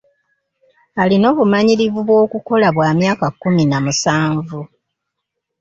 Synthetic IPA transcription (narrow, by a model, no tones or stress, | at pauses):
alino̞ːβumaɲiɾivuβwo̞ːkuko̞laβwaːmjaːkakːuminamusaːɱvu